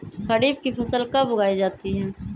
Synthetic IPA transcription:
kɐɾiːb̚kipʰɐsəlkɐbʊɡaːid͡ʒaːt̪iɦɛː

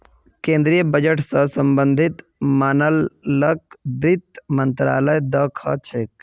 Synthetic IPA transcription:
kẽːnd̪ɾijəbəd͡ʒəʈsəsəmbə̃nd̪ʱit̪ | maːnəlːək̚bɾit̪mənt̪ɾa̰ːləjd̪ɐkʰə̰t͡ʃʰek

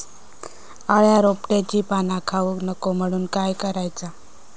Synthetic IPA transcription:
aɭjaɾopʈẽt͡ɕiːpanakʰaʋəknəkom̤əɽ̃uːnkajkəɾajt͡sa

